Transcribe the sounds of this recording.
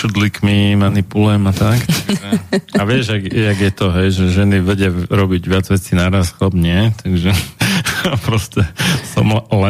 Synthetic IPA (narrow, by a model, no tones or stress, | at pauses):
ʃud̪likmimanipulɛmat̪akt̪aɡ̪ʒɛaʋɪɛʒaɡaɡjɛt̪ɔɦɛjʒɛʒɛniʋɛɟɪaɾɔbiɟʋɪad͡zʋɛt͡sinaɾasxlabɲɪɛt̪ʰaɡʒɛ | pɾɔscɛsɔ̰mlɛ